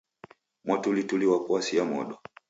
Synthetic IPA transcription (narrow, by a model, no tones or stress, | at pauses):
mwatulituliwakuasiamɔ̰ɗɔ